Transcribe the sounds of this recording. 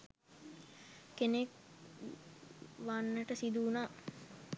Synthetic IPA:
kenek | ʋanːəʈəsid̪uːnaː

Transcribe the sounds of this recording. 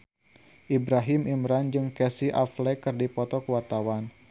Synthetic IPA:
ʔibɾaɦimʔimɾand͡ʒɨŋkɛsiʔaflɛkɨrdipɔt̪ɔkəwart̪awan

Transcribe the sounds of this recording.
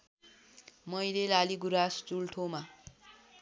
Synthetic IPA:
mʌjlelaliɡuɾast͡sulʈʰoma

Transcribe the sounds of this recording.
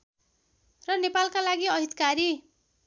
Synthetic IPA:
rʌnepalkalaɡiʌɦit̪kaɾi

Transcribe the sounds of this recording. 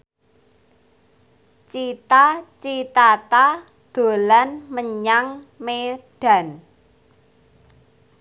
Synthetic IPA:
t͡ʃit̪at͡ʃit̪at̪a | d̪̥o̤lanməɲaŋmeɖ̥ä̤n

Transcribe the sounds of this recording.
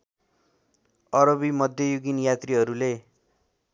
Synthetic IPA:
ʌɾʌbimʌd̪ʱjʌjuɡinjat̪riɦʌɾule

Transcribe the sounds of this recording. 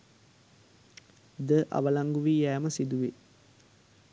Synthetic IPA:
d̪əʔa̰ʋəlaŋɡuʋijæːməsid̪uʋe

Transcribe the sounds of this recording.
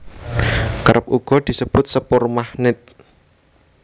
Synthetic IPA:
kəɾəp̚uɡ̥ɔ̤d̪̥i̤səb̥ʊt̪̚səpʊrmahnɪt̪̚

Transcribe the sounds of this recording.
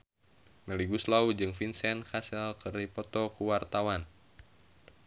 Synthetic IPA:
mɛliɡuslaud͡ʒɨŋfinsɛnkʰasɛlkɨripɔt̪ɔkuwart̪awan

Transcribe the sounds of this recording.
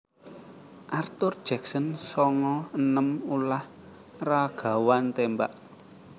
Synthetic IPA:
ʔart̪ʊrd̥ʒ̥ɛ̤ksənsɔŋɔənəmulah | raɡ̥a̤want̪emba̰ʔ

